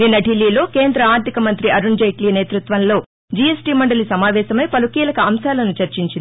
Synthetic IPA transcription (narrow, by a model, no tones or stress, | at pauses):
ninːɐɖilːiːlo̞ːkeːnd̪ɾɐaːɾt̪ikɐmɐnt̪ɾiɐɾuɳd͡ʒɐjʈliːneːt̪ɾut̪ʋɐnlo̞ː | d͡ʒiesʈiːmɐɳɖɐlisɐmaːʋɛːʃɐmɐjpɐlukiːlɐkɐɐmsaːlɐnut͡ʃɐɾt͡ʃiɲt͡ʃin